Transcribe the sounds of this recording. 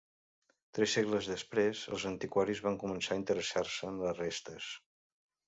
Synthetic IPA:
t̪ɾɛsːeɣləzðəspɾezə̰lˠzənt̪ikwaɾizβaŋkumənsaint̪əɾəsarsəənləzrest̪əs

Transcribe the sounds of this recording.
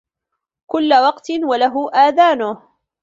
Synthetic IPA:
kʊlːawɑqt̪ɪnwalaɦʊʔaːðaːnʊh

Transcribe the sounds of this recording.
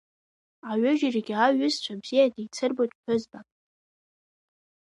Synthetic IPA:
aɥʏʒiriɡʲaɥʏzt͡ɕʷʰabz̥ijadejt͡sʰɨrbotʼħʰʷᶣʏzbakʼ

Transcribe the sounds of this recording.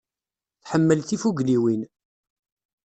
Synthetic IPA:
θħəmːəlθifuɡliwin

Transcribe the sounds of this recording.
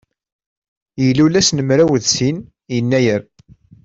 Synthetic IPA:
jəlːulæsnəmɾæwəðsin | jənːæjəɾ

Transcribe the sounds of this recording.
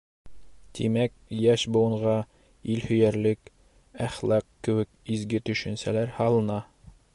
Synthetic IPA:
t̪ʰimæk̚jæʃbŭwɤ̆ɴʁɑ | ilhɵ̆jæɾlɘk | æχlˠɑqkɘ̆wɘ̆k̚izɡɘt̪ɵ̆ʃɘ̆nsælæɾhɑlˠɤ̆nɑ

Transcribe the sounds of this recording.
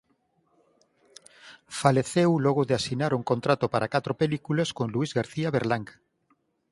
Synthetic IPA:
faleθewlɔɣ̞oðeasinaɾuŋkont̪ɾat̪opaɾakat̪ɾopelikuleskoŋluizɣaɾθiaβeɾlaŋɡa

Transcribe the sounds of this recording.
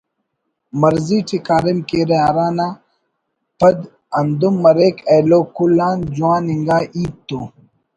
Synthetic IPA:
mɐɾziːʈʰikaːɾimkeɾeaɾaːnaː | pɐd̪ | ɐnd̪umːɐɾeːkeloːkulaːnd͡ʑuãːniŋɡaːʔiːt̪ːoː

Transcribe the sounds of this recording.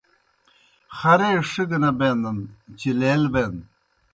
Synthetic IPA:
xɐɾeʂiɡɐnɐbend̪ɐnt͡ɕileːlben

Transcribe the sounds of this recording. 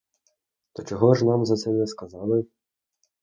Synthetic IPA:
t̪ɔt͡ʃɔɦɔʒnɑmzɐt̪sɛnɛskɐzɑlˠɪ

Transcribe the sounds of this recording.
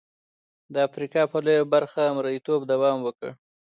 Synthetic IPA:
d̪əafɾikɑpəlojobaɾxaːmɾajit̪obd̪awɑmwəkə̰ɽ

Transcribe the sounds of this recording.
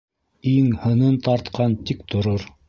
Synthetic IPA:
iŋhɤ̆nɤnt̪ɑɾt̪qɑnt̪ik̚t̪ŏɾoɾ

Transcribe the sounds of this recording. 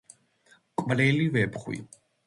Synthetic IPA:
kʷʼvlɛlivɛpχwḭ

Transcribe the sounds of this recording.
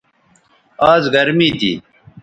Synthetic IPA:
aːzɡɐɾmiːt̪ḭː

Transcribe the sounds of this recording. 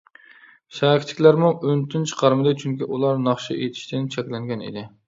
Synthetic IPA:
ʃækʰʲt͡ʃʰɪ̥kʲlæɾmuŋønt̪ʰynt͡ʃʰqʰɑɾmɨd̪ɨt͡ʃʰyŋkʲiʔulˠɑɾnɑχʃḭʔet̪ʰɪ̥ʃt̪ɪnt͡ʃʰɛkʲlɛŋɡʲɛnḭd̪ɪ

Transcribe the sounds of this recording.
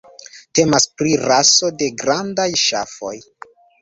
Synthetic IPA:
te̞maspɾiɾaso̞de̞ɡɾandajʃa̰fo̞j

